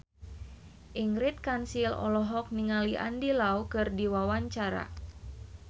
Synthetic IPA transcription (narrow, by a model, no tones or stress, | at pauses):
ʔiŋɾit̪̚kansilɔ̰lɔɦɔk̚niŋaliʔa̰ndilaukɨrdiwawaɲt͡ʃaɾa̰